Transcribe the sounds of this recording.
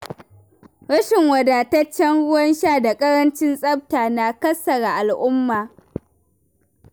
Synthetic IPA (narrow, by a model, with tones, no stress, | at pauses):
ɽɐ˦ʃɪ˨ŋwɐ˨daː˨ta˦t͡ʃːɐ˦nɽʊ˦wɐ˦nʃaː˦˨da˨kʼɐ˦ɽɐ˦nt͡ʃɪ˦nsʼɐ˦p̚taː˨na˨kɐ˦sɐ˨ɽa˨ʔa˨lʔʊ˦mːaː˨